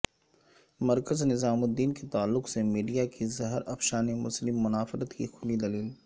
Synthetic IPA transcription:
mɐɾkəznɪzaːmod̪iːnket̪aːlːʊqsemiːɖijakizɐɦɾɐfʃaːnemʊslɪmːʊnaːfɪɾət̪kixʰʊlid̪ɐliːl

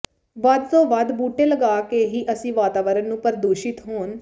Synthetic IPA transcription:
ʋad̪̚t̪õːʋad̪buːʈeːləɡaːkeːɦiːʔəsĩːʋaːt̪aːʋəɾənnũːpəɾd̪oːʃɪt̪ɦoːn

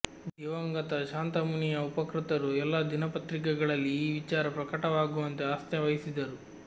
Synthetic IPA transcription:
d̪ɛʋɐŋɡɐt̪ɐʃaːnt̪ɐmunijɐupɐkɾit̪ɐɾuɛlːaːd̪inɐpɐt̪ɾik̬ɛɡɐɭɐlːiːʋit͡ʃaːɾɐpɾɐkɐʈɐʋaːɡuʋɐnt̪eaːst̪jɐʋɐjisid̪ɐɾu

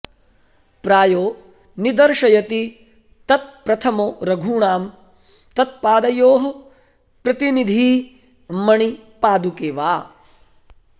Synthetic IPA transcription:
pɾaːjoː | nid̪ɐɾʂɐjɐt̪i | t̪ɐt̪̚pɾɐt̪ʰɐmoːɾɐɡʱuːɳaːm | t̪ɐt̪̚paːd̪ɐjoːɦɐ | pɾɐt̪inid̪ʱiː | mɐɳipaːd̪ukeːʋaː

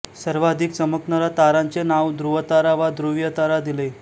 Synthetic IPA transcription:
səɾʋad̪ʱik̚t͡səməknəɾat̪aɾãnt͡senaʋd̪ɾuʋət̪aɾaʋad̪ɾuʋjət̪aɾad̪ile

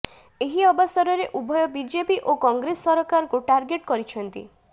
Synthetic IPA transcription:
eɦiɔbɔsɔɾɔɾeʔubʱɔjɔbid͡ʒepiʔokɔŋɡɾesːɔɾɔkaɾɔkuʈaɾɡeʈkɔɾit͡ʃʰɔnt̪ḭ

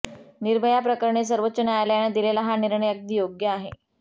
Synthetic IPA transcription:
niɾbʱəjapɾəkəɾɳes̬əɾʋət̪ːɕənjajljaɽid̪ilelaɦaniɾɳəjək̚d̪iːjoɡjəaɦe

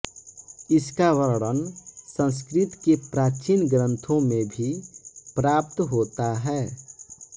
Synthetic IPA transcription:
ɪskaʋəɾɽənsə̃ns̬kɾɪt̪kepɾaːt͡ʃiːnɡɾə̃nt̪ʰõmẽbʱipɾaːp̚t̪ɦoːt̪aɦɛː

